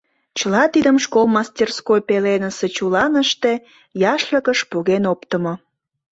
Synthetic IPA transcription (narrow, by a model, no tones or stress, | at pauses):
t͡ɕəlɑt̪id̪əmʃkolmɑsʲt̪ʲerskojpelenəse̽t͡ɕulɑnəʃt̪e | jɑʃləkəʃpuɣenopt̪əmo